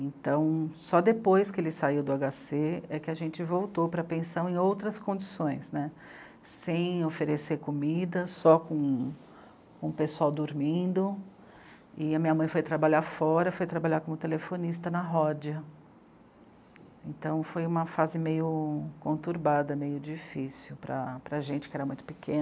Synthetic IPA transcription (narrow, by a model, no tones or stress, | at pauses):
ẽnt̪ɐ̃w̃sɔd̪epojskɪelɪsaiwd̪ʊaɡaseɛkɪɐʒẽnt͡ʃɪvowt̪opɾɐpẽsɐ̃w̃ẽj̃owt̪ɾɐskõd͡ʒisõj̃snɛ | sẽj̃ofeɾeseɾkomid̪ɐsɔkõ | kõpesuawd̪oɾmĩnd̪ʊ | ɪɐmĩɲɐmɐ̃j̃fojt̪ɾabaʎaɾfɔɾɐfojt̪ɾabaʎaɾkõmʊt̪elefonist̪ɐnɐɦɔd͡ʒɐ | ẽnt̪ɐ̃w̃fojũmɐfazɪmejʊkõnt̪uɾbad̪ɐmejʊd͡ʒifisiwpɾɐ̰pɾɐʒẽnt͡ʃɪ̥kɪɛɾɐmũj̃t̪ʊ̥pɪkẽnɐ